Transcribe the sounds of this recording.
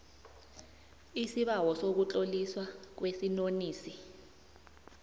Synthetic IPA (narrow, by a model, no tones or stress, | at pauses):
isiɓawɔsok̬ut͡ɬʼoliswak̬wesinoniːsi